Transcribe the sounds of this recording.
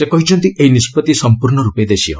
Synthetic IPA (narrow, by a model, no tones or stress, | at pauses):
sepɔɦit͡ʃɔnt̪ieɦinispɔt̪isɔmpuɾɳɔɾuped̪esiɔ̰